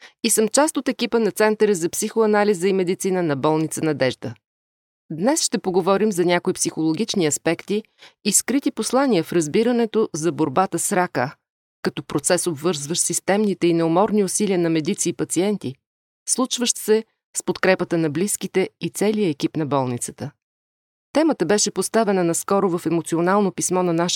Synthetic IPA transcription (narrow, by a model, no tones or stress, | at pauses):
isəmt͡ʃast̪ot̪ɛkʲipənɐt̪sɛnt̪əɾəzɐpsixoɐnalizəimɛd̪it̪sinənɐbɔlˠnit̪sənɐd̪ɛʒd̪ə | d̪nɛsʃt̪ɛpoɡovɔɾimzɐnʲakoipsixolˠoɡʲit͡ʃniɐspɛkt̪iː | skɾit̪iposlˠaniəfɾɐzbiɾənɛt̪ozɐboɾbat̪əsɾakə | kɐt̪ɔpɾot̪sɛsobvɤɾzvəʃt̪sist̪ɛmnit̪ɛinɛomɔɾniʊsiliənɐmɛd̪it̪siːpɐt̪siɛnt̪i | slˠut͡ʃvəʃt̪sɛ | spot̪kɾɛpət̪ənɐbliskit̪ɛit̪sɛliəɛkʲipnɐbɔlˠnit̪sə̥t̪ə | t̪ɛmət̪əbɛʃɛpost̪avɛnənɐskɔɾovɐfɛmot̪sionalˠnopismɔnɐnaʃ